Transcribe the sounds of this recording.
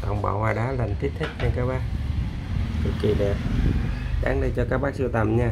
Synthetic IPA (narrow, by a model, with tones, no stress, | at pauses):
t̪a̰˨˧˩wŋ͡mɓa̰ː˧˩haː˧˩ɗaː˨˦lə˨˩nt̪ʰi˦˥t̚t̪ʰə˦˥k̚t͡ɕa˧˩ŋkaː˦˥k̚ɓaː˦˥k̚ | t̪ɨ˨˩ki˨˩ɗɛ˨˩p̚ | ɗa̰ː˨˦ŋɗə˧jt͡ɕɔ˧kaː˦˥k̚ɓaː˦˥k̚si˧wt̪a˨˩mɲaː˧